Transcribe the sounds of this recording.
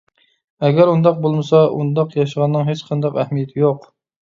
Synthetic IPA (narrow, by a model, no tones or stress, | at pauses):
ɛɡʲæɾund̪ɑq̚bolˠmɨsɑʔṵnd̪ɑqjɑʃəʁɑnːɨŋɦet͡ʃqʰɑnd̪ɑqæhmijɛt̪ʰɪjoq